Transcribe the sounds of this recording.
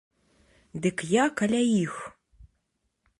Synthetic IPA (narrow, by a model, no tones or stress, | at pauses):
d̪ɨkjakalʲajix